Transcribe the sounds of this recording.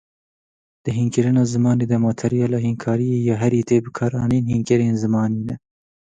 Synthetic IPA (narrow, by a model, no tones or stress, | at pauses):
d̪̥ɨɦiːnkɪɾɨnɑːzɨmɑːneːd̪ɛmɑːt̪ʰɛɾijɑːlɑːhinkʰɑːɾijejɑːɦɛɾiːt̪eːbɨkʰɑːɾɑ̰ːniːnhiːnkɪɾeːnzɨmɑːniːnɛ